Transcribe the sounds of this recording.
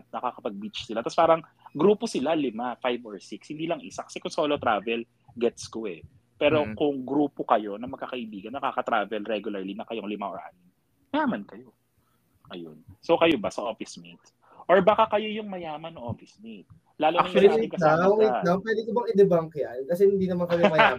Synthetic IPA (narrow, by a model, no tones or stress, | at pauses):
t̪̚nɐkakɐpɐɡ̚bit͡ʃsɪlat̪ɐspaːɾɐŋ | ɡɾuːposɪlalɪmafajvoɹsɪkshɪnd̪iːlɐŋʔɪsakɐ̥sɛkʊŋsoːlot̪ɾaːvɛl | ɡɛt̪skoɛ | pɛːɾo̞kʊŋɡɾuːpokɐjo̞nɐmɐɡ̚kːɐkɐʔɪbiːɡɐnːɐkakɐt̪ɾaːvɛlɾɛɡjʊlɐɹlinɐkɐjoŋlɪmaʔoɹʔa̰nɪŋ | jaːmɐnkɐjo̞ | ʔɐjo̰nsokɐjobɐsɐʔoːfɪsmit̪ | ʔoɹbaːkakɐjo̞jʊŋmɐjaːmɐnːʊŋʔoːfɪsmit̪̚ | laːlʊnɐɐaːt̪ɪŋkɐaːapwɛːd̪ɪkʊbɐŋɪd̪ɛbaŋkɪjʔankɐsɛhɪnd̪iːnɐmankɐmɛmɐja